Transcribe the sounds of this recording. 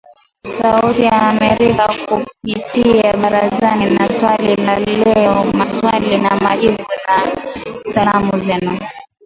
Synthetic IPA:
sautijaːmɛɾikakupitʰiaɓaɾazaninaswalilalɛɔmaswalinamaʄiɓunasalamuzɛnu

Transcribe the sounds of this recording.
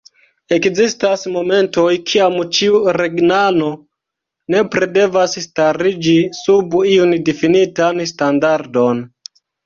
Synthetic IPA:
e̞kzistasmo̞me̞nto̞jkʰiamt͡ʃiuɾe̞ɡnano̞ | ne̞pɾede̞vasstaɾid͡ʒisubiundifinitanstandaɾdo̞n

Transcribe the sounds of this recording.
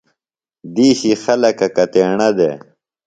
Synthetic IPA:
d̪iːɕixɐlɐkɐkɐt̪eːɳɐd̪ḛː

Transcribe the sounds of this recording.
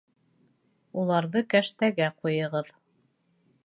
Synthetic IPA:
ulˠɑɾðɤkæʃt̪æɡæqujɤ̆ʁɤð

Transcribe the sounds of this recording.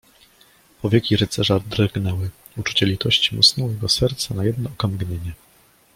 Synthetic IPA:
pɔvʲjekʲiɾɘt̪sɛʐad̪ɾɡnɛwɘ | ut͡ʂu̥t͡ɕɛlʲit̪ɔɕt͡ɕimṵsnɔwjɛɡɔsɛɾt̪sanajɛd̪nɔɔkamɡɲeɲɛ

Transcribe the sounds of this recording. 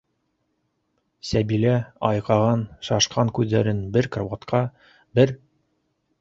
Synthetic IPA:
sæbilæɑjqɑʁɑnʃɑʃqɑŋkʉðːæɾɘnbɘɾkrovat̪qʰɑ | bɘɾ

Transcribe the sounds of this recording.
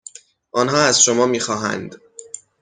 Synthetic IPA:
ʔɒːnɦɒːæzʃomɒːmiːxɒːɦæ̰nd̪

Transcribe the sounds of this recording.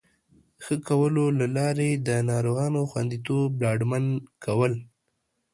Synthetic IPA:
xəkawəlolalɑɾed̪ənɑɾoɣɑnoxwand̪it̪oblɑɖmankʰawəl

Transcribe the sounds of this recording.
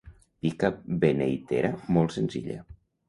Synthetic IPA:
pikabenejt̪ḛɾamɔlˠtsenzḭʎə̰

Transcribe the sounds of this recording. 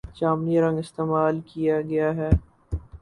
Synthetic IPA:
t͡ʃaːmniɾɐ̃ŋɡɪst̪eːmaːlkijaɡɐjaɦɛː

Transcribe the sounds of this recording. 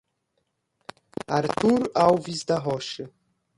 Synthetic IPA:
aɾt̪ʰuɾawvizd̪aɦɔʃɨ

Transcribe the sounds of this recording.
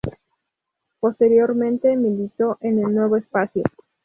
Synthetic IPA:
po̞st̪e̞ɾjo̞ɾmẽ̞nt̪emilit̪o̞ʔenelnwe̞β̞oespasjo̰

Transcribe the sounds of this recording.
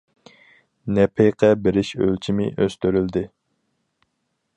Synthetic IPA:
nɛpʰejqʰɛbɪɾɪʃølt͡ʃʰimɪ̰ʔøst̪yɾyld̪ɪ

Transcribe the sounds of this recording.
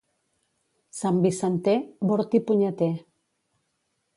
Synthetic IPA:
sambisant̪eboɾt̪ipuɲat̪e

